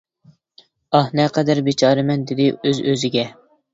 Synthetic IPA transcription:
ɑhnɛqʰɛd̪æɾbet͡ʃʰɑːɾɨmɛnd̪ɪd̪ɪøzøzɪɡʲɛ

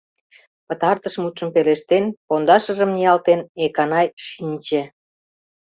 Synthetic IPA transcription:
pət̪ɑrt̪əʃmut̪ʃə̆mpeleʃt̪enpond̪ɑʃə̆ʒə̆mnijɑlt̪enekɑnɑjʃinʲt͡ɕe

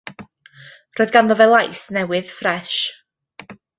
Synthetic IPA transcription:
rɔːɨðɡanðɔvɛlˠajsnɛwɨð̥frɛʃ

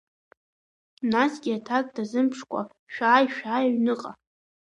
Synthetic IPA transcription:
nasɡʲɪatʰakʼdazɨmpʰʂkʷʼa̰ | ʃᶣaːjʃᶣaːjaɥnɨqʼa

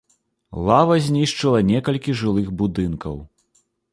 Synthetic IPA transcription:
lˠavɐzʲnʲiʂt͡ʂɨlˠɐnʲɛkɐlʲkʲiʐɨlˠɨɣbud̪ɨnkɐ̰w

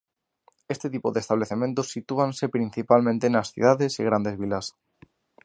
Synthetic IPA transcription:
est̪et̪ipoðest̪aβ̞leθemẽnt̪osːit̪uansepɾin̟θipalmẽnt̪enasθḭð̞aðesiɣ̞ɾand̪ezβ̞ilas

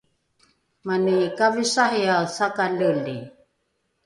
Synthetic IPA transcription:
manikavisahiaθakaluli

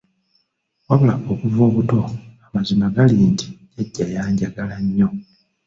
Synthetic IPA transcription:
waβulaʔokuvo̞ːβuto̞amazimaɡaliːntʰi̥jeɟːajaːɲɟaɡalaɲːo̞

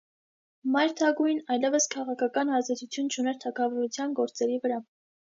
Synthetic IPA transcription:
mɑjɾt̪ʰɑɡujnɑjlɛvəskʰɑʁɑkʰɑkɑnɑzd̪ɛt̪ut͡sʰjunt͡ʃʰunɛɾt̪ʰɑkʰɑvɔɾut͡sʰjɑnɡɔɾt͡sɛɾivəɾɑ

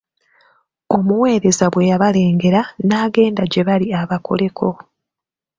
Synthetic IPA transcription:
o̞muwe̞ːɾe̞zaβwe̞jaβale̞ːŋɡe̞ɾanaːɡe̞ːndaɟe̞βaliaβakʰo̞̰le̞kʰo̞

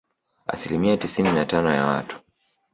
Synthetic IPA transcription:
a̰silimiatisininatanɔja̰wa̰tu̥

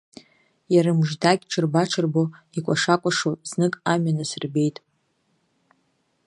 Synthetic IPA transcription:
jaɾɨmʒdaɡʲʈ͡ʂʰɨrbaʈ͡ʂʰɨrbo | ikʷʼaʂakʷʼaʂoznɨkʼamɥanɨsɨrbe̞jtʼ

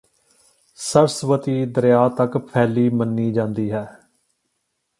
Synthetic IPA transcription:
səɾsʋət̪iːd̪əɾjaːt̪əkpʰɛːliːmənːiːd͡ʒãːnd̪iːɦɛː

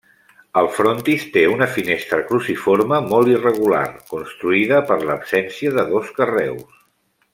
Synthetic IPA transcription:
əlˠfɾont̪ist̪eunəfinest̪ɾəkɾusifoɾməmɔlˠirəɣ̞ula̰ɾkunst̪ɾuiðəpəɾləpsɛnsiəðəðoskərɛws

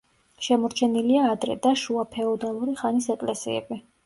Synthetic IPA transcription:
ʃɛmɔɾt͡ʃʰɛniliaːd̪ɾɛ̰d̪aʃuapʰɛɔd̪alˠuɾiχanisɛkʼlɛsḭɛ̰bi

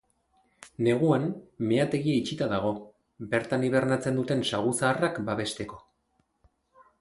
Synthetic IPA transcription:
ne̞ɣ̞uanme̞at̪e̞ɣieit͡ʃit̪aðaɣ̞o̞ | be̞ɾt̪aniβ̞e̞ɾnat͡se̞nd̪ut̪e̞nsaɣ̞usaːrakbaβe̞st̪e̞ko̞

